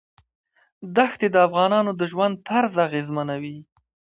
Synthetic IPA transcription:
d̪axt̪ed̪əafɣɑnɑnod̪əʒwand̪̚t̪ʰaɾzaɣezmanawi

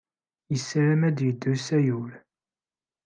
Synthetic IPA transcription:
jəsːɾæmæd̪jəd̪ːusæjuɾ

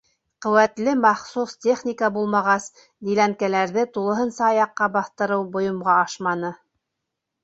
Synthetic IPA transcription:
qɵ̆wæt̪lɘmɑχsustʲe̞χnʲikəbulˠmɑʁɑs | d̪ilæŋkælæɾðɘt̪ulˠɤ̆ɦɤ̆nsɑːjɑqːɑbɑθt̪ɤ̆ɾɤwbŏjŏmʁɑɑʃmɑnɤ

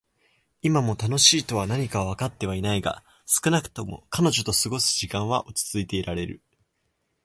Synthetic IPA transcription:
imamo̞t̪ano̞ɕiːt̪o̞β̞anaɲ̟ikaoβ̞akat̪ːe̞β̞ainaiɡa̰ | sɨ̥kɯ̟nakɯ̟̥t̪o̞mo̞̰kano̞ʑo̞t̪o̞sɨɡo̞sɨ̥ʑikãɰ̃βaʔot͡ɕi̥t͡sɨit̪e̞ːɾaɾe̞ɾɯ̟̰

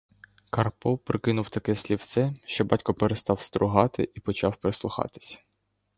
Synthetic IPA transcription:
kɐrpɔpɾɪkɪnʊwt̪ɐkɛsʲlʲiwt̪sɛʃt͡ʃɔbɑtʲkɔpeɾest̪ɑwst̪ɾʊɦɑt̪ɪ̰ʔipɔt͡ʃɑwpɾeslˠʊxɑ̰t̪ɪ̥sʲɐ̥

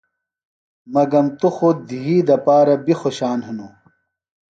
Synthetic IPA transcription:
mɐɡɐmt̪uxod̪iɦiːd̪ɐpaːɾɐbixoɕaːnɦɐnu

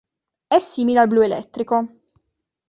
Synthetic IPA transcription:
ɛsːiːmilealbluelɛ̰t̪ːɾiko

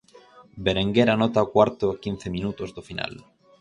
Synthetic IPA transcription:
beɾeŋɡeɾanot̪aokwaɾt̪oakin̟θemĩnut̪ozd̪ofina̰l

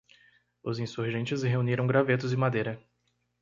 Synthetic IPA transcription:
ʊzĩsuɾʒẽnt͡ʃɪsɦeuniɾɐ̃w̃ɡɾavet̪ʊzɪmad̪ejɾɐ

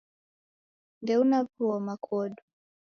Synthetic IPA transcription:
ndɛunavuɔmakʰɔɗu

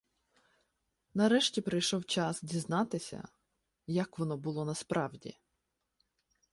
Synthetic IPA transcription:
nɐɾɛʃtʲipɾɐjʃɔwt͡ʃɑsdʲiznɑt̪ɪsʲɐ̰ | jɐkʋɔnɔbʊlˠɔnɐspɾɑwdʲḭ

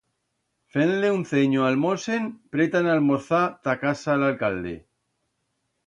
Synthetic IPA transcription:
fenleunθeɲoalmosenpɾet̪analmoθat̪akasaːlalkald̪ḛ

